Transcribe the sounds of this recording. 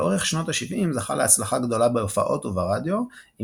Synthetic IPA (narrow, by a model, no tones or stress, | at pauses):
ʔo̞ʁeχʃno̞taʃivʔimzaχa̰leat͡slaχaɡd̪o̞labeofa̰ʔo̞t̪uvaʁad̪jo̞i